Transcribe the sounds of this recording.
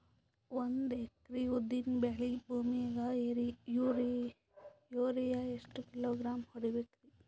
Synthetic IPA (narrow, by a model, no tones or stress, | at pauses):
wɐnd̪eːkɾiud̪inbɛːlibʱuːmieɡaeɾijuɾi | joːɾijaesʈkiloːɡɾaːmhoɽibekɾi